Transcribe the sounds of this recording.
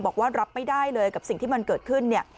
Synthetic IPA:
bɔː˨˩k̚waː˥˩ɾa˦˥p̚ma˥˩jdaː˥˩jlɤː˧jka˨˩psi˨˩ŋt̪ʰiː˥˩ma˧nkɤː˨˩t̪̚kʰɯ˥˩nːi˥˩ɐ

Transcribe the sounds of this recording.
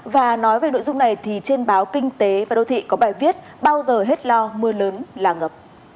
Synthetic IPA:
vaː˨˩nɔ˨˦jve˨˩no̰˧˨jzʊ˧ŋ͡mna˨˩jt̪ʰi˨˩t͡ɕe˧nɓaː˨˦wkï˧ŋ̟t̪e˨˦vaː˨˩ɗə˧˩wt̪ʰḭ˧˨kɔ˨˦ɓaː˧˩jvi˦˥ət̚ | ɓaː˧wzəː˨˩ɦe˦˥t̚lɔ˧mɨ˧ələː˨˦nlaː˨˩ŋə˨˩p̚

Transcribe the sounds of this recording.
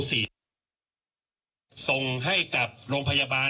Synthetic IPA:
siː˩˦ | so˧ŋɦa˥˩jka˨˩p̚ɾoː˧ŋpʰa˧jaː˧baː˧

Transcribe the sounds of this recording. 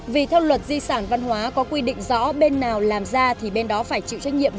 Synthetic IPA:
vi˨˩t̪ʰɛ˧wlwə˨˩t̚zi˧saː˧˩nva˧nhwaː˨˦kɔ˨˦kwi˧ɗḭ˧˨ŋ̟zɔ̰˧˥ɓe˧nːaː˨˩wlaː˨˩mzaː˧t̪ʰi˨˩ɓe˧nɗɔ˨˦faː˧˩jt͡ɕḭ˧˨wt͡ɕa˦˥jŋ̚ɲḭ˧˨əm

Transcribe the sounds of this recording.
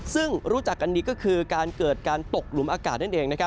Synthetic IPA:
sɯ˥˩ŋɾuː˦˥t͡ɕa˨˩k̚ʔa˧nːdiː˧kɔː˥˩kʰɯː˧kaː˧nkɤː˨˩t̪̚kaː˧nt̪o˨˩k̚lu˨˩˦mʔaː˧kaː˨˩na˥˩nʔeː˧ŋna˦˥kʰa˦˥

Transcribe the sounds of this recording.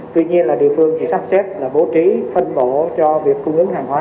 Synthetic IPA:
t̪wḭ˧ɲi˧ənlaː˨˩ɗḭ˨˩əfɨ˨˩əŋt͡ɕḭ˧˩sa˦˥p̚sɛ˦˥t̚laː˨˩ɓo˨˦t͡ɕi˨˦fə˧nɓo˧˨t͡ɕɔ˧vi˨˩əkːʊ˧ŋ͡mʔɨ˨˧˦əŋhaː˨˩ŋhwaː˨˦

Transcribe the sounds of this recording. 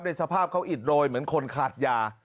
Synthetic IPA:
p̚na˧jsa˧pʰaː˥˩p̚kʰa˦˥wʔi˨˩t̪̚ɾoː˧jmɯ˩˦ənkʰo˧nkʰaː˨˩t̪̚jaː˧

